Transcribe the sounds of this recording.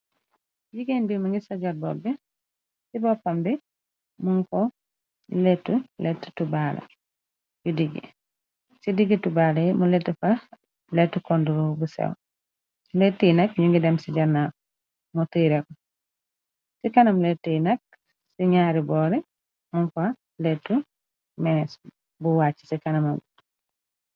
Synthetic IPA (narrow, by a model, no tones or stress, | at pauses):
jiɡenbimɐŋɡisɐɟat̚bɔ̰lbɛ | sibɔpːambi | muŋkɔ | lɛtːulɛtːu̥tubaːlɐ̰ | judiɡi | sidiɡitubaːlɛmulɛtːufɐ | lɛtːukɔndulɔbusɛ̰w | letːijnɐk̚ɲuŋɡidɛmsiɟɐna | mutujɾɛkɔ | sikɐnɐmlɛtːunɐk̚ | siɲaːɾibɔːɾɛ | muŋka | letːu | mɛs | buwat͡ʃːi̥sikɐnɐmɐɡ